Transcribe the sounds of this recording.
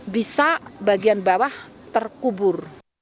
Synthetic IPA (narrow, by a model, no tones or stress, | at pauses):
bisabaɡianbawaht̪ərkubʊr